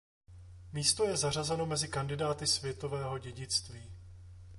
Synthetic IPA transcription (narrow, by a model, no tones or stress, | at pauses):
miːst̪o̞jɛzar̝azɛno̞mɛzɪkandɪdaːt̪ɪsvjɛt̪o̞vɛːɦo̞ɟɛɟɪt͡st̪viː